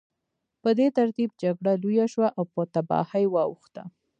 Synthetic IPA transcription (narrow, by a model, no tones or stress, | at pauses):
pəd̪et̪aɾt̪ib̚d͡ʒaɡɽalujaʃwaʔawpət̪abɑ̰hajwɑwuxt̪a̰